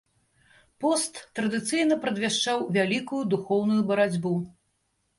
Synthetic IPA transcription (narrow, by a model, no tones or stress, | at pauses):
pɔst̪ːɾɐd̪ɨt̪sɨjnɐpɾɐd̪vʲaʂt͡ʂawvʲalʲikujud̪uxɔwnujubɐɾad͡zʲbu